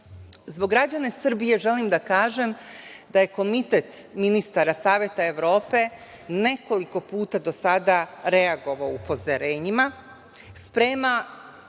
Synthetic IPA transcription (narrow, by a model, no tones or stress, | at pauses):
zboɡɾad͡ʑane̞sr̩bije̞ʒe̞limd̪akaːʒe̞md̪aje̞ko̞mit̪et̪minist̪aɾasaːʋje̞t̪ae̞ʋɾo̞ːpe̞ | ne̞ko̞liko̞puːt̪ad̪o̞sad̪aɾe̞aɡo̞ʋaoupʰo̞zaɾe̞ːɲima | spɾeːma